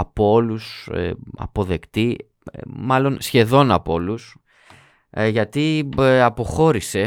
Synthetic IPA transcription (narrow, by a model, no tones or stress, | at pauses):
ɐpo̞lusḛɐ̰po̞ðe̞kt̪i | mɐlo̞nsçe̞ðo̞nɐpo̞lus | ʝɐt̪iɐpo̞xo̞ɾise̞